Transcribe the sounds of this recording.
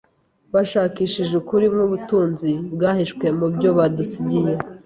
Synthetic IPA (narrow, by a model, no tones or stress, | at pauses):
βaʃaːkiːʃiʒukuɾimŋuβutuːnzibɡaːhiʃkwe̞mubɟo̞βadusiɟije